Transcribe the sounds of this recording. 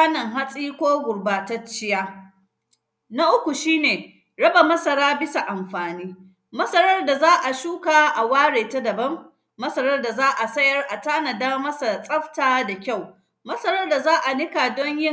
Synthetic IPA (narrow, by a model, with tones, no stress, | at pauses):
a˦nɐ˨ŋɦa˦sʼiː˦kʷoː˦ɡʷʊ˨ɽbaː˨ta˦t͡ʃːɪ˦jaː˦ | na˦ʔʊ˦kʷu˨ʃiː˦neː˨ | ɽɐ˦ba˨mɐ˦sɐ˨ɽaː˦bɪ˦sa˨ʔa˨mɸaː˨niː˦ | mɐ˦sɐ˦ɾɐ˦rda˨zaː˦ʔa˨ʃuː˦kaː˨ʔa˨waː˦ɽeː˨ta˦dɐ˨bɐ˦mː | ɐ˦sɐ˦ɾɐ˦rda˨zaː˦ʔa˨sɐ˦jɐ˦rʔa˨taː˦na˨daː˦mɐ˦sa˨sʼɐ˦ɸtaː˨da˨kʲa˦˨w | mɐ˦sɐ˦ɾɐ˦rda˨zaː˦ʔa˨nɪ˦ka˨dɔ˦ɲjɪ˦